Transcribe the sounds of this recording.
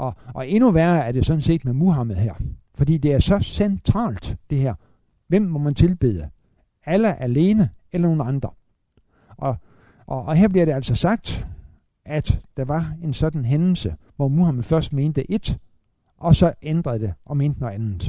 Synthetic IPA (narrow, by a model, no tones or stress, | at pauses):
ʔɒ̽ʔɒ̽e̝nuʋæɐæɐd̥e̝sɒ̽d̥n̩se̝̰ːd̥memuɦɑmð̩ˠɦæɐ̰fɒ̽dḭːd̥e̝æɐsɒ̽sent͡sʰʁɑ̰̈ːld̥d̥e̝hæɐ̰ | ʋem̰ːɒ̽mænt͡sʰe̝lb̥e̝̰ðˠə | æləʔæle̝ːnəelɐno̝ːn̩ɑ̈nd̥ʁɐ | ʔɒ̽ | ʔɒheɐ̰b̥liɐɾ̥eæl̰sɒ̽sɑ̈ɡ̥̚d̥ | ʔæd̥d̥ɑ̈ʋɑ̈e̝nsɒ̽d̥n̩ɦenl̩sə | ʋɒmuhæmð̩ˠfɶɐsd̥me̝ːnd̥əʔe̝d̥ | ʔɒ̽sɒ̽ʔend̥ʁɐðˠd̥e̝ʔɒ̽me̝ːnd̥ənɒænð̩ˠ